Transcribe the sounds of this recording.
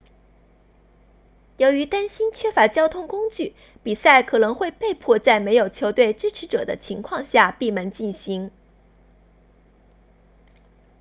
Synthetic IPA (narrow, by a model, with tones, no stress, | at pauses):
jo˧˥ʊy˧˥t̪a˥nɕi˥nt͡ɕʰɥɛ˥fa˧˥t͡ɕjɑ˥ʊt̪ʰʊ˥ŋkʊ˥ŋt͡ɕy˥˩ | pi˨˩sa˥˩ɪkʰɤ˨˩nɤ˧˥ŋxwe˥˧ɪpe˥˧ɪpʰwɔ˥˧t͡sa˥˩ɪme˧˥ɪjo˨˩ʊt͡ɕʰjo˧˥ʊt̪we˥˩ɪʈ͡ʂɻ̩˥ʈ͡ʂʰɻ̩˧˥ʈ͡ʂɤ˨˩d̪ə̰˦t͡ɕʰi˧˥ŋkʰwɑ˥˧ŋɕja˥˧pi˥˩mə˧˥nt͡ɕi˥˩nɕi˧˥ŋ